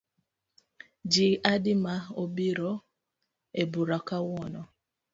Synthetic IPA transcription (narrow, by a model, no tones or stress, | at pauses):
d͡ʒiadɪmaobiɾɔ | ebuɾakawɔnɔ